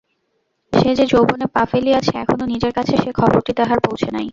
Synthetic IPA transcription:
ʃed͡ʑed͡ʑowbonepafeliat͡ɕʰeɛkʰononid͡ʑeɾkat͡ɕʰeʃekʰɔboɾʈid̪aɦaɾpowt͡ɕʰenaj

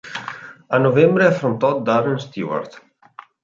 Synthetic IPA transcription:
anovɛmbɾeafɾont̪ɔtd̪aɾenst̪ḭwa̰ɾt̪

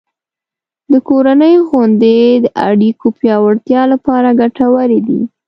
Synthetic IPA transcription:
d̪əkoɾanəjoɣond̪ed̪əʔa̰ɽikʰopjɑwaɽt̪jɑlapɑɾaɡaʈawəɾed̪ḭ

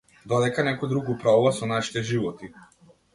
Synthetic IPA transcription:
d̪ɔd̪ɛkanɛkɔjd̪ɾuɡupɾavuvasɔnaʃi̥t̪ɛʒivɔt̪i

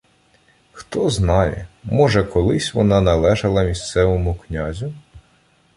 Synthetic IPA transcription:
xt̪ɔznɑjɛ̰mɔʒɛkɔlˠɪsʲʋɔnɑnɐlˠɛʒɐlˠɐmʲist̪sɛʋɔmʊknʲazʲʊ

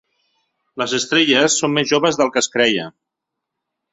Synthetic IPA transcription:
ləzəst̪ɾeʎəsːommezʒoβəzðəlˠkəskɾɛjə

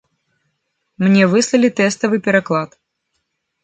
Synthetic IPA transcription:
mnʲɛvɨslˠɐlʲit̪ɛst̪ɐvɨpʲɛɾaklˠat̪

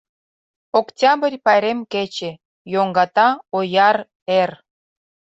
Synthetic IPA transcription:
oktʲɑbərʲpɑjɾemket͡ɕe | joŋɡɑt̪ɑojɑr | er

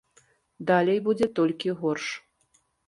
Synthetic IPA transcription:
d̪alʲejbud͡zʲɛt̪olʲkʲiɣorʂ

